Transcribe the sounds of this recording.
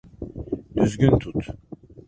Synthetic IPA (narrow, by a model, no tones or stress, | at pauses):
d̪yzɟynt̪ʰut̪